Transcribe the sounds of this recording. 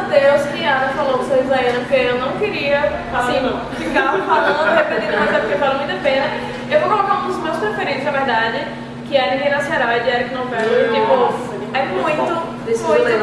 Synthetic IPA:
t̪ewsɪɐ̃nɐfalowkʊ̃seizaɐ̃nɐpʊɾkeewnɐ̃w̃kɪɾiɐ | asĩ | fikaɾ̃paõɦepẽd̪ĩnɐ̃mazɛpʊkeval̃mĩd̪ɐpẽnɐ | ewvokolɔkaɾũd̪ʊzmewspɾefeɾẽt̪ɪznɐveɾd̪ad͡ʒɪ | kɪɛɾĩmẽnɐseɾawɛd͡ʒɪɛɾikɪnõw̃vɛɾʊipʊ | ɛmũj̃t̪ʊ | d̪oj

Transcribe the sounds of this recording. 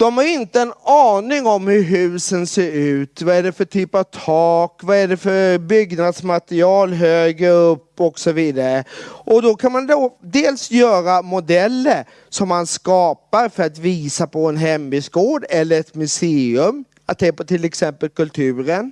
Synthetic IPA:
d̪̥ɔmhaɾɪnt̪əɛnɑːnɪŋɔmhɵɾɦʉ̟ːsənseːɾʉ̟ːt̪vaæɖɛfœʈʰyːpavt̪ʰɑːkvaæɖɛfœɾbʏɡnad̪smat̪ɾɪɑːlɦøːɡəɾɵpːɔksɔviːd̪aɾəʔɔd̪ɔkʰanmand̪od̪eːlsjœːɾamʊd̪ɛlːəɾ | sɔmːanskɑːpaɾfœɾat̪viːsapʰɔɛnɦɛmbisɡoːɖɛlːəɾɛt̪mʉseːɵm | at̪seːpɔt̪ʰɪlɛksɛmpəlkɵlt̪ʰʉ̟ːɾən

